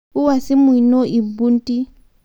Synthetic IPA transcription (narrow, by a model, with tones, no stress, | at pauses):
u˦wa˨si˦mwi˨no˦ʔi˨bu˦n˦tʼi˦